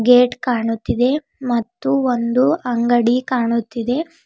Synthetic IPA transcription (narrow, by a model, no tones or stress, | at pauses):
ɡeːʈkaːɳut̪ːid̪e̞ | mɐt̪ːuond̪uɐŋɡɐɽikaːɳut̪ːid̪e̞